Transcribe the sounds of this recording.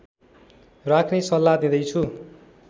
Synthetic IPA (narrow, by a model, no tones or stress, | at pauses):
rakʰnesʌlːad̪ĩd̪ʌjt͡sʰu